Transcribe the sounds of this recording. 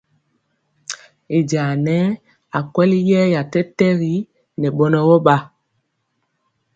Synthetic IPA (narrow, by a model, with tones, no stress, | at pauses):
e˨d͡ʒaː˨nɛ˦ | a˨kwɛ˦li˦jɛː˦ja˨tɛ˦tɛ˦ɣi˦ | nɛ˨ɓɔ˦nɔ˦wɔ˦ɓa˦